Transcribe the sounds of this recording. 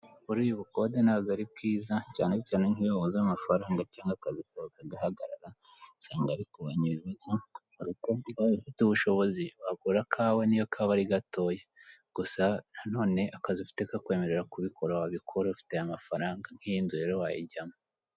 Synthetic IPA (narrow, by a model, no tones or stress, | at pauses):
βuɾuːjuβuko̞denaɡaɾib̚ɡiːzaca̰ːnecaːne̞ŋhijoːβozamafaɾaːŋɡacaːŋɡakazikuβakaɡahaɡaɾaɾasaːŋɡaɾikuβaɲiβiβazo | ɾukoaβifituβuʃo̞βo̞ziβaɡuːɾakʰaːwenijokʰaβaɾiɡato̞ːjeɡ̥usanano̞ːne̞ʔakaziufi̥te̞kakwe̞ːme̞ɾe̞ɾakuβikʰo̞ɾawaβikʰoɾoufi̥te̞jamafaɾaːŋɡaŋhijinzuɾe̞ɾowajḭɟamo